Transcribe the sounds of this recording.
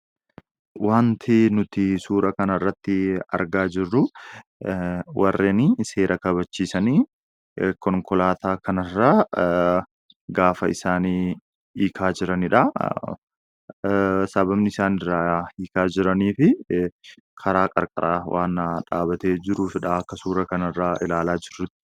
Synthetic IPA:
waːnt̪ʰɪnʊt̪ɪsuːɾɐkɐnɐrːɐt̪ːɪɐ̰ɾɡaːd͡ʒɪrːʊ | wʔɐrːeːnise̞ːɾʔɐkɐβɐt͡ʃːiːsɐniː | kɔŋkɔlaːt̪aːkʰɐnɐrːaː | ɡaːfɐɪsaːni | iːkʰaːd͡ʒɪɾɐnɪᶑɐ | sɐbɐbnɪɪsaːnɪrːaːiːkaːd͡ʒɪɾɐniːfɪ | kʰɐɾaːkʼɐ̰ɾkʼɐ̰ɾʔaːwʔaːnːaᶑa̰ːbɐt̪e̞ːd͡ʒɪɾuːfɪᶑɐɐkːɐsuːɾɐkɐnɪrːaːɪlaːlaːd͡ʒɪrːʊt̪ːɪ̥

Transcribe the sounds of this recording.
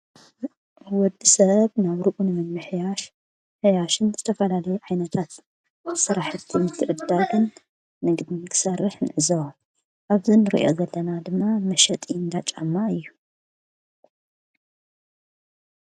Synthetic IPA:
wɔd̪ːisɐβnaβɾɨʔunɨmɐmːɨħjaʃ | ħjaʃɨnzɨt̪ʰɐfɐlalɐjuʕajnɐt̪ʰat̪ | sɨɾaħɨt̪ʰːimɨt̪ʰːɨʕɨd̪alɨn | mɐɡd̪inkʰɨ̥sɐrːɨħnɨʕɨzɐw | ʔaβzinɨɾḭʔiʔo̞̰zɐlːɐnad̪ɨmːamɐʃɐt̪ʼind̪at͡ʃʼa̰mːaɨjːu

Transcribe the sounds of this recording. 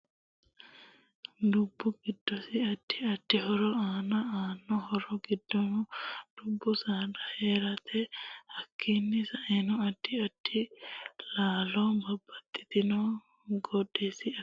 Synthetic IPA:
dubːɔɡidːɔsiaʈʰːiaʈʰːiɦɔɾɔaːnaaːnɔhɔɾɔɡidɔnɔdubːɔsadaɛɾat̪ʰɛhakʰːinːisaɛnɔaʈʰːiaʈʰːilaːlɔbʱabat̪ːi̥t̪inɔ | ɡɔdɛsia

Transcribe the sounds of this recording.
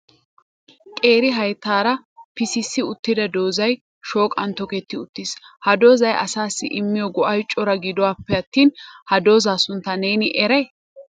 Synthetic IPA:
kʼe̞ːɾɪɦɐjt̪ːaːɾɐpɪsɪsːɪʊt̪ːɪd̪ɐd̪o̞ːzɐj | ʃo̞ːkʼɐnt̪ɔkɛt̪ːɪʊt̪ːishɐd̪o̞ːzɐjʔɐ̰saːsːɪ̰ʔɪmːɪjɔɡɔʔɐjt͡ʃʼːɔɾɐɡɪd̪ɔwaːpːɛɐt̪ːiːnhɐd̪o̞ːzaːsʊnt̪ːɐneːnɪʔɛɾɛ

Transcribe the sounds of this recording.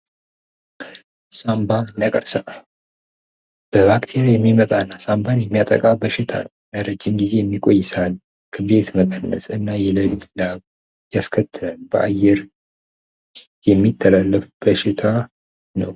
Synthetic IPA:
sambanːəkʼəɾsəʔ | b̥əbakt̪ʰe̞ɾjɛmːimət̪ʼanːasambanjɛmːijat̪ʼə̰kʼabəʃɪt̪ʰa̰nəwnəɾəd͡ʒːɪmɡize̞jɛmːikʼo̞jːɪsal | kʰɨbe̞t̪məkʼənːə̰sɨnːajɛləlit̪ʰlaβ | jaskʰət̪ʰːɨlənbəʔa̰jːɛɾ | jɛmːit̪ʰːəlalːəfubəʃɪt̪ʰa | nəw

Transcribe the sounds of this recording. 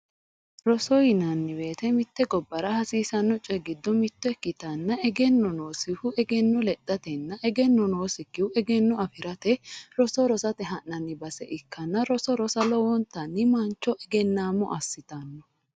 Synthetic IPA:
ɾɔsɔjɪnɐnːɪbe̞ːt̪ɛmɪt̪ːɛɡɔbːɐɾɐhɐsiːsɐnːɔt͡ʃʼɛɡɪd̪ːɔmɪt̪ːɔɛkːɪt̪ɐnːɐɛɡɛnːɔno̞ːsɪhʊɛɡɛnːɔlɛd̪̥ɐt̪ɛnːɐʔɛɡɛnːɔno̞ːsɪkːɪʊɛɡɛnːɔɐfɪɾɐt̪ɛɾɔsɔɾɔsɐt̪ɛɦɐnːɐnːɪbɐsɛ̰ʔɪkːɐnːɐɾɔsɔɾɔsɐlɔwɔnt̪ːɐnːɪmɐnt͡ʃːɔʔɛɡɛnːaːmːɔ̰ʔɐsːɪt̪ɐnːɔ

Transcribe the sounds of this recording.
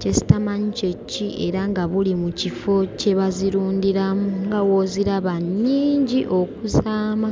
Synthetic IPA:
cesi̥tamaɲit͡ʃe̞cːiʔe̞ɾaŋɡaβulimucifo̞ce̞βaziɾuːndiɾamuŋɡawoziɾaβanːiːɲɟiʔo̞kuzaːma

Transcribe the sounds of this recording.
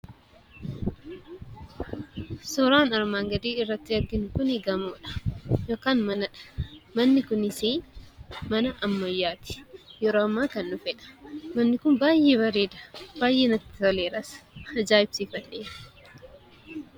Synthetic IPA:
sɔɾaːnɐɾmaːŋɡɐd̪eːɪrːɐt̪ːɪɐɾɡɪnʊkʊnɪɡɐmoːᶑɐ̥jo̞ːkaːnmɐnɐᶑ̥mɐnːɪkʊnɪseː | mɐnɐʔɐmːɐjːaːt̪ɪ̥jɛɾoːɐmːaːkɐnːʊfɛːᶑɐ̥mɐnːɪkʊmbaːjʔeːbɐɾeːd̪ɐ̥baːjʔeːnɐt̪ːɪ̥fɐleːɾɐshɐd͡ʒaːɪbsifɐᶑe̥ː

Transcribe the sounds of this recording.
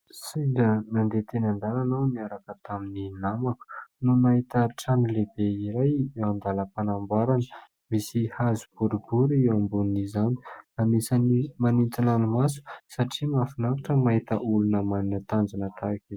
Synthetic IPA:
saɖ͡ʐənand̪et̪enand̪alanawniaɾakət̪amininamaku̥nunaɦit̪aʈ͡ʂanilebeiɾajand̪aləpanambaɾanə | misihazub̥uɾubuɾiwambunizani̥amisanimanint̪inanumasu̥saʈ͡ʂimafinakaʈ͡ʂəmaɦit̪əʔulunəmaninət̪and͡zanət̪aki

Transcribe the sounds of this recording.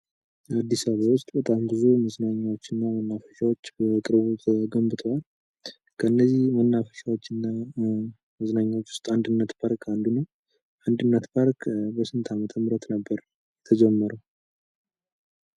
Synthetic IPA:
ad̪ːisaβawʊst̪ʼbət̪ʼambɨzuməznaɲːawo̞t͡ʃːɨnːamənːafə̥ʃawot͡ʃːbəkʼɨɾbut̪ʰəɡəmbɨt̪ʰəal | kʰəɨnːəzːihmənːafə̥ʃawot͡ʃːɨnːa | məznaɲːawot͡ʃːwʊ̥st̪ʼand̪ɨnːət̪pʰaɾkʰand̪unəw | ʔand̪ɨnːət̪pʰaɾkbəsɨnt̪ʰamət̪ʰəmɨɾət̪nəbːəɾ | jɛt̪ʰəd͡ʒɛmːəɾəw

